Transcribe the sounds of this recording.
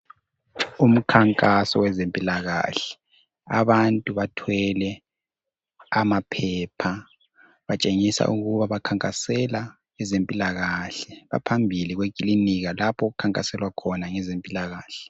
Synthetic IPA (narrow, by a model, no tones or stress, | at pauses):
um̩kʰaŋkʼasɔwɛzempʼilaɣa̰ːɬɛ̥ | a̰βantʼuβatʰwɛlɛ | amapʰɛːpʰa | βat͡ʃʼeŋisa̰ʔuɣuβaβakʰaŋkʼasɛla | ɛzempʼilaɣaɬɛβa̰pʰambʱiliɣwekʼiliniɣalapʰɔɣukʰaŋkʼasɛlwakʰɔnaŋɛzempʼilaɣaːɬɛ̥